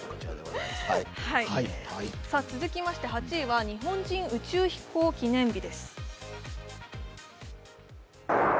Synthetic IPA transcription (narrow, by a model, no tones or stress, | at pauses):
haiaiasat͡sɨzɨkʲimaɕi̥t̪e̞ɦat͡ɕiːβaɲ̟iɦõ̞ɲ̟d͡ʑĩɰ̃ɯ̟t͡ɕɨːçi̥ko̞ːkʲinẽ̞mbʲid̪e̞sɨ̥